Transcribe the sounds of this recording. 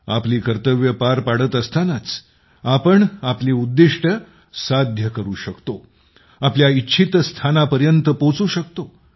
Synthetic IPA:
apliːkəɾt̪əʋjəpaɾpaɽət̪əst̪ʰanat͡s | apəɳapliːud̪ːiʂʈʰə | sad̪ʱjəkəɾuːɕəkt̪o | apljaitːɕʰit̪st̪ʰanapəɾjənt̪əpot͡suːɕəkt̪o

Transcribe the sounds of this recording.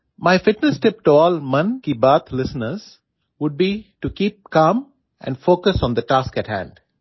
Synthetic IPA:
maɪfɪʈnəsʈɪp̚ʈuɔːlmʌ̃nkibəːt̪ʰlɪsənəɾz̥ | ʋʊɖ̚biʈukiːp̚kãːm | ʔɛ̰̃ɳɖfoːkəsɔ̃nd̪əʈaːskæʈhæ̰̃ɳɖ

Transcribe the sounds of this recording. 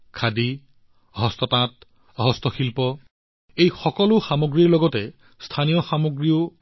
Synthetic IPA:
kʰadi | ɦɔstɔtãt̚ | ɦɔstɔxilpɔ | ejxɔkɔlʊxamoɡɹiɹlɔɡɔtɛ | stʰanijɔxamoɡɹio

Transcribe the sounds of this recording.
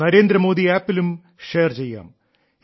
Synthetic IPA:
ɐɾe̞ːnd̪ɾɐmo̞ːd̪iaːpːilum | ʂe̞ːrt͡ɕejːa̰ːm

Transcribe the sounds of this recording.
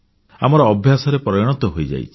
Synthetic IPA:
amɔɾɔːbʱjasɔɾepɾɔjɔɽ̃ɔt̪ɔɦojd͡ʒa̰jt͡ʃʰi̥

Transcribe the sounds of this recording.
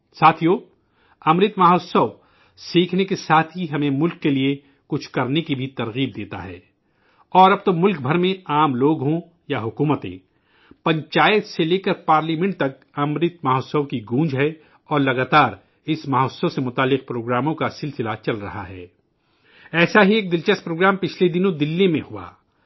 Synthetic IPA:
saːt̪ʰijoː | ɐmɾɪt̪maːɦosəʋ | siːkʰnekesaːt̪ʰɦiɦɐmẽmʊlkːelie | kʊt͡ʃʰkɐɾnekibʱit̪ɐɾɣiːb̚d̪eːt̪a̰ɦɛ̰ː | ɔːɾɐb̚t̪omʊlk̚bʱɐɾmẽaːmloːɡɦõ | jaɦʊkuːmət̪ḛ̃ | pɐ̃ɲt͡ʃaːjət̪seleːkəɾpaːɾliːmɛ̃ɳʈ̚t̪ɐk̚ | ɐmɾɪt̪maɦoːsəʋkiɡũːd͡ʒɦɛ | ɔːɾlɐɡaːt̪aːɾ | ɪsmaːɦɔsəsemʊt̪aːlːɪq̚pɾoːɡɾaːmõkasɪlsɪlat͡ʃɐlɾɐ̰ɦa̰ɦɛ̰ː | ɛːsaɦieːk̚d̪ɪlt͡ʃəst̪̚pɾoːɡɾaːmpɪt͡ʃʰled̪ɪnõd̪ɪlːimẽhua̰ː

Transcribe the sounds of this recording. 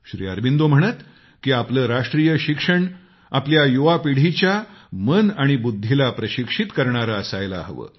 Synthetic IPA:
ɕɾḭːə̰ɾbind̪om̤əɽ̃ət̪ | kiːapləːɾaʂʈɾijəɕikʂəɳ | apljajuʋapiɽ̤it͡ɕjamənaɽ̃ibud̪ʱːilapɾəɕikʂit̪kəɾɳaɾaəsajla̰ɦəʋə̰ː

